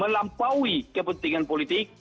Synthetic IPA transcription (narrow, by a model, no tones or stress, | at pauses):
mə̃lampawikəpənt̪iŋanpolit̪ik̚